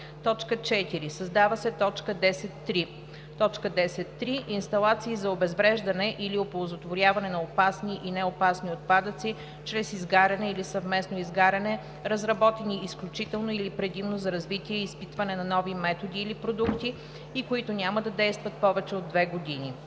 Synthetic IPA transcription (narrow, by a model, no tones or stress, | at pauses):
t̪ɔt͡ʃkət͡ʃɛt̪iɾisɐzd̪avɐsɛt̪ɔt͡ʃkəd̪ɛsɛt̪ːɾi | t̪ɔt͡ʃkəd̪ɛsɛt̪ːɾiʔinst̪ɐlˠat̪siːzɐobɛzvɾɛʒd̪ɐnɛʔiliopolˠzot̪voɾʲjavɐnɛnɐopasniʔinɛopasniot̪̚pad̪ət̪si | t͡ʃɾɛsizɡaɾɛnɛilisɐvmɛsnoizɡaɾɐnɛ | ɾɐzɾɐbɔt̪ɛniːsklʲut͡ʃit̪ɛlˠnoilipɾɛd̪imnozɐɾɐzvit̪iɛispit̪vɐnɛnɐnɔvimɛt̪od̪iːlipɾod̪ukt̪i | ikoit̪ʊnʲaməd̪ɐd̪ɛjst̪vət̪̚pɔvɛt͡ʃɛod̪ːvɛɡod̪ini